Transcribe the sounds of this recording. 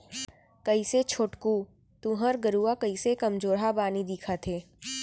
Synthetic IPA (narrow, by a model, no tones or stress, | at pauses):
kɐiset͡ʃʰoːʈku | t̪uɦəɾɡəɾuːakɐisekɐmd͡ʒoːɾɦabaːnid̪iːkʰat̪ʰeː